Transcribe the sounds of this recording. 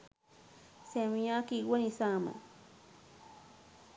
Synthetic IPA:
semiɲakiɡanisama̰

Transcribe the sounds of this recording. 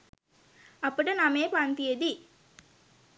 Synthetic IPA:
apəʈənameːpant̪ijed̪i

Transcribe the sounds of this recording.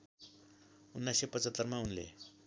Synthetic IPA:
unːajsepət͡sət̪ːərmaunlḛ

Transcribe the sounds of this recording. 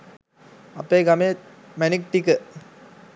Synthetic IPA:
ɐpːeːɡɐmeː | mænik̚ʈ̪ikə

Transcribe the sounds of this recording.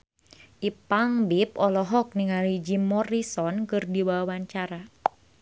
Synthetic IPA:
ʔipaŋbipɔlɔɦɔk̚niŋalid͡ʒimɔɾisɔnkɨrdiwawaɲt͡ʃaɾa

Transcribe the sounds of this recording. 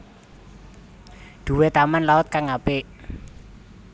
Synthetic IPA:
d̪̥ṳwet̪amanlaʊt̪̚kaŋapɪʔ

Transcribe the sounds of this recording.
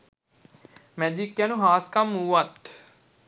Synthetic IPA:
mɛd͡ʒikjanuɦaːskamːuːʋat̪

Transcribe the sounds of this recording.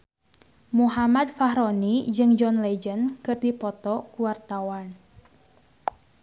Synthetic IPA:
muɦamad̚faɦɾɔnid͡ʒɨŋd͡ʒɔnlɛd͡ʒənkɨrdipɔt̪ɔkuwart̪awan

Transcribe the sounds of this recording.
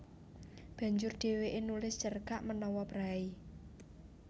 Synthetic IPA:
b̥ä̤ɲd͡ʒʊrd̪̥e̤weʔenulɪst͡ʃərkaʔmənɔwɔpɾai

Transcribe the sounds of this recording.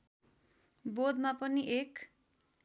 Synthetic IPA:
bod̪mapʌniʔek

